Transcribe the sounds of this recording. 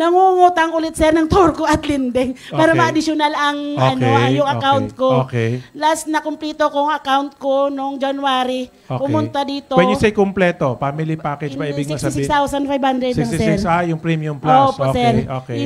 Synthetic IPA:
nɐŋuŋuːt̪ɐŋʔʊlɛt̪̚sɛɾnɐŋt̪oɾkoʔɐt̪lɪnd̪ɛŋʔpaːɾɐmɐʔɐd̪ɪsjonalʔɐŋɐnojʊŋɐkawnt̪̚kookɛjlasnɐkʊmplɛːt̪okoŋɐkawnt̪̚konoŋd͡ʒɐnʊaːɾi | opʊmʊnt̪ad̪iːt̪owɛd̪jʊsejkomplɛt̪ofaːmɪlipakɛd͡ʒpɐibɪɡssɪsskst̪awsɐnfajbhand̪ɾɛd̪sŋsɛɪɾsajʊŋpɾimjʊmploposɛɾʔokɛ

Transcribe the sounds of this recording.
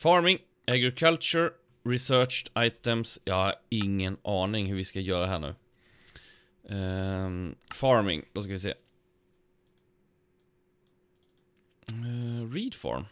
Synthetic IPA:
fɑːɹmɪŋ | ʔæɡɾɪkʰalt͡ʃəɹ | ɾɪsœːt͡ʃaɪt̪ɛmsjɑːhɑɪŋːənʔɑːnɪŋhɵɾʋɪskajœːɾaɦæːɳʉ̰ː | fɑːɹmɪ̰ŋd̪oskaʋɪsḛː | ɹiːd̪fɔ̰ɹm

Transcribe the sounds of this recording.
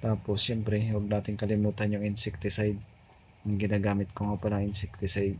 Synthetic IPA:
t̪aːposjɛmpɾɛwɐɡ̚naːt̪ɪŋkɐlɪmuːt̪ɐnjʊŋɪnsɛk̚t̪ɪsajd̪̚ | ɐŋɡɪnaːɡaːmɪt̪̚koŋɐpɐlaŋɪnsɛk̚t̪ɪsajd̪̚

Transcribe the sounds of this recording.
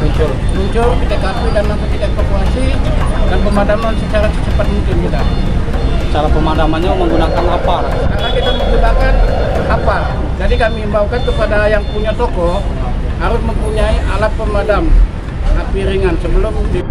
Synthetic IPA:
muɲt͡ʃʊlmuɲt͡ʃʊlkit̪akatidanːampakit̪aefakuasidanpəmadamlansət͡ʃaɾasət͡ʃəpat̪̚muŋkɪnkit̪a | sət͡ʃalapəmadamanɲaməŋɡunakanwapala̰skaɾnakit̪amətəbakanapa | d͡ʒadikamimbaukant̪əpadajaŋpuɲat̪ɔkɔ | haɾʊsməmpuɲaiʔalat̪̚pəmadam | apiɾiŋansəbəlʊmːuŋkɪn

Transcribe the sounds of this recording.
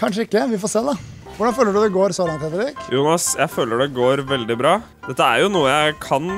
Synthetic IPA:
kʰɑnʂəɪkːəʋɪfoːseːd̪ɛ | ʋʊɖɑnføːləɖʉd̪ɛɡoːɾsoːlɑŋt̪ʰɛb̪əɾiːkjuːnɑsjæɪføːləɖɛɡoːɾʋɛld̪ɪbɾɑː | d̪ɛt̪ːəæɾjʊnuːəjæɪkʰɑn

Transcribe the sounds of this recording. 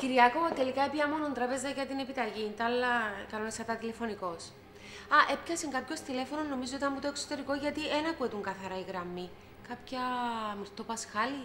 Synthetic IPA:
ciɾiɐkovɐt̪e̞likɐepjɐmo̞nont̪ɾɐpe̞zɐʝɐt̪inepit̪ɐʝint̪ɐlːɐkɐno̞neskɐt̪ɐt̪ile̞fo̞niko̞s | ɐʔe̞pçɐsiŋɡɐpço̞st̪ile̞fo̞nonːo̞mizoot̪ɐmmut̪oeksot̪e̞ɾiko̞ʝɐt̪ienɐkuet̪uŋɡɐθɐɾɐiɣɾɐmːi | kɐpçɐːmiɾt̪o̞pɐsxɐli

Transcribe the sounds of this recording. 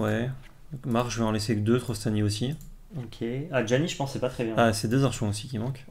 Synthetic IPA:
wɛ | d̪ɔ̃kmaʁʒəveɑ̃lɛsed̪øt̪χɔst̪aniosi | okʲʰead͡ʒaniʒəpɑ̃sɛpat̪χɛbjɛ̃asɛd̪øzaʁʃwɔ̃osikʲimɑ̃k

